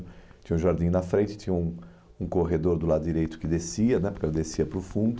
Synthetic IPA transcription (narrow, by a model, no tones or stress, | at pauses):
t͡ʃ̪ĩɲɐ̃ũʒaɾd̪ĩɲnɐfɾẽnt͡ʃɪ̥t͡ʃ̪ĩɲɐũ | ũkoɦed̪oɾd̪ʊlad̪ʊd͡ʒiɾejt̪ʊ̥kɪd̪esiɐnɛpoɾkɛlɐd̪esiɐpɾʊfũnd̪ʊ